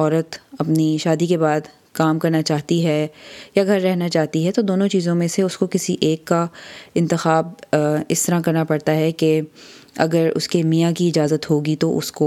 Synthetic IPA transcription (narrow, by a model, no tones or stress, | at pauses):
ɔːɾət̪ɐpniʃaːd̪ikebaːd̪ | kaːmkɐɾnat͡ʃaːɦt̪iɦɛjaɡʱɐɾːɛɦnat͡ʃaːɦt̪iɦɛt̪od̪oːnõt͡ʃiːzõmẽseʊskokɪsiʔeːkːaɪ̃nt̪ɪxaːb̚ɪst̪ɐɾãkɐɾnapɐɽt̪aɦɛke | ɐ̰ɡəɾʊ̰skemijakiɪd͡ʒaːzət̪ɦoːɡit̪oʔʊ̰sko